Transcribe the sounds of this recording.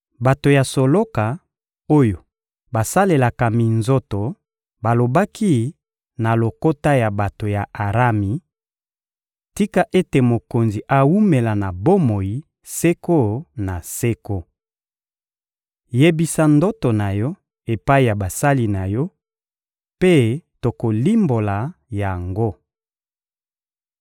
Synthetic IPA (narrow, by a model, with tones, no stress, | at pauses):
ba˨to˨ja˨so˨lo˦ka˨ | o˦jo˨ | ba˨sa˦le˨la˨ka˨mi˨nzo˦to˨ | ba˨lo˨ba˦kʰi˦ | na˨lo˨ko˦ta˦ja˨ba˨to˨ja˨ʔa˨ʁa˦mi˨ | ti˦ka˦ʔe˦te˨mo˨ko˨nzi˨ʔa˨wu˦me˨la˨na˨bo˦mo˨ji˨ | se˦ko˦na˨se˦ko˦ | je˦bi˦sa˦ndo˦to˨na˨jɔ˦ | e˨pa˦i˨ja˨ba˨sa˦li˦na˨jɔ˦ | pe˦to˨ko˨li˦mbo˨la˨ja˨ŋɡo˦